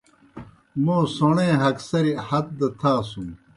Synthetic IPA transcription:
mõːsoɳẽːɦɐksɐɾihɐt̪̚d̪ɐt̪ʰaːsũm

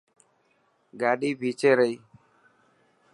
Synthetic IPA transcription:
ɡaːɖiːbʱiːt͡ʃeːɾəiː

